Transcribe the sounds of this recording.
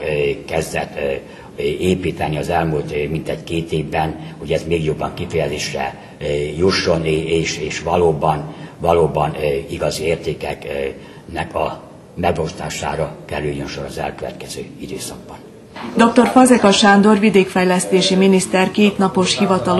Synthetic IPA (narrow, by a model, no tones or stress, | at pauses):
kɛzd̪ɛt̪ː | eːpiːt̪ɛniɒzɛlmult̪mint̪ɛɟkeːt̪eːvbɛnho̞ɟɛzmeːɡjo̞bːɒŋkifɛjɛzeːʃrɛ̰ | juʃːo̞neːʃeːʃʋɒloːbɒnvɒloːbɒniɡɒzieːrt̪eːkɛk | nɛkʰɒ | mɛɡbost̪a̰ːʃa̰ːɾɒkɛɾyljønʃo̞ɾɒzɛ̰lkøvɛ̰t̪kɛzøːid̪øːsɒɡ̚bɒn | d̪ok̚t̪o̞rfɒzɛkɒʃaːnd̪orvid̪eːkfɛjlɛst̪eːʃiminist̪ɛrkeːt̪nɒpo̞ʃhivɒt̪ɒl